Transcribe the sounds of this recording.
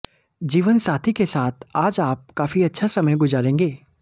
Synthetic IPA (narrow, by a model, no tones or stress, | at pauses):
d͡ʒiːʋənsaːt̪ʰikesaːt̪ʰaːd͡ʒaːp̚kaːfiɐtːʃʰasɐməjɡʊzaːɾẽːŋɡeː